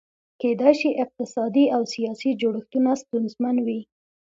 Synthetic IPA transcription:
ked̪ajʃiʔɪq̚t̪ɪsɑd̪iawsijɑsid͡ʒoɽəxt̪unast̪unzmanwi

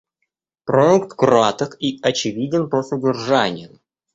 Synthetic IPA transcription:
pɾoukt̪kɾoat̪əkiɐt͡ɕɪvʲidʲɪnpəsədʲɪrʐanʲɪjʊ

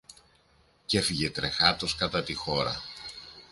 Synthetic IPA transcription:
ce̞fiʝe̞t̪ɾe̞xɐt̪o̞skɐt̪ɐt̪ixo̞ɾɐ̰

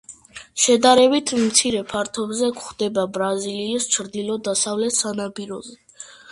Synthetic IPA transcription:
ʃɛd̪aɾɛbit̪ʰmt̪sʰiɾɛpʰaɾt̪ʰɔbzɛkʰχd̪ɛbabɾaziliːst͡ʃʰɾd̪ilˠɔd̪asavlɛt̪ʰsanabiɾɔzɛ

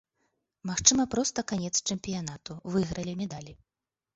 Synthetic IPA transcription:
maxt͡ʂɨmɐpɾɔst̪ɐkanʲɛt̪st͡ʂɨmpʲijanat̪uvɨɣɾɐlʲimʲɛd̪alʲi

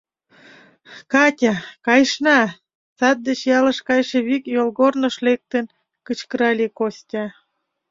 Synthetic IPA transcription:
kɑtʲɑkɑjʃnɑ | sɑt̪̚d̪et͡ɕjɑlə̆ʃkɑjʃĕβikjolɣornə̆ʃlek̚t̪ən | kət͡ɕkəɾɑlʲekosʲtʲɑ

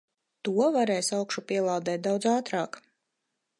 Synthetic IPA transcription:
t̪uɔvaɾɛːjsawkʃupiɛlˠaːd̪ɛːt̪̚d̪awd̪zaːt̪ɾɑːk

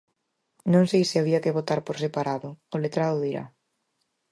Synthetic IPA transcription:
nõŋsejsɪaβiɐkeβot̪aɾpoɾsepaɾaðʊːlet̪ɾaðʊðiɾa̰

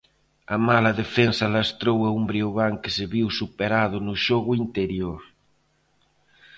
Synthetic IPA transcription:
amalaðefensalast̪ɾowaumbɾioɣaŋkeseβiwsupeɾaðʊnʊʃoɣʊint̪eɾjoɾ

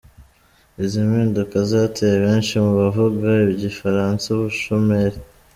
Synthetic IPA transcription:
izimiːndukazaːtʰeɾeβeːnʃimuβavuɡaiβiɟifaɾaːnt͡sauβuʃomeɾe

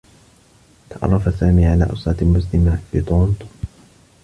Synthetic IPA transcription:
t̪ɑʔɑ̰rˤːɑfasaːmiːʕalaːʔʊ̰sˤɑːt̪amʊs̬lɪmafiːt̪ˤoːnt̪

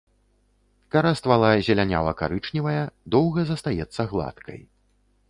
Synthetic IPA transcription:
kaɾast̪valˠazʲɛlʲanʲa̰lɐka̰ɾɨt͡ʂnʲivɐjɐd̪ɔwɣɐzɐst̪ajɛt̪sːɐɣlˠa̰t̪kɐ̰j

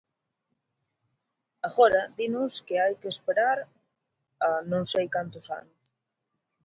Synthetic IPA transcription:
aɣɔɾɐðinʊskɪajkeːspeɾaɾ | anõŋsejkant̪ʊsa̰nʊs

